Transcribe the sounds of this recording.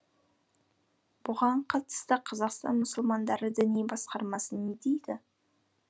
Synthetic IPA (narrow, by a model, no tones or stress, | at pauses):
b̥ʊʁɑɴqʰɑt̪ə̥st̪əqʰɑzɑqst̪ɑ̰nmʊsəlˠmɑnd̪ɑɾəd̪ʏnebɑsqɑɾmɑsənːed̪ejd̪ɪ